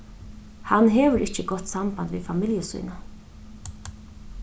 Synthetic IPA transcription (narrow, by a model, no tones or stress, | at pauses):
hanɦɛːʋʏɾʔɪhcəɡɔt̪ːsambant̪ʋḭðfamɪljəsṵːna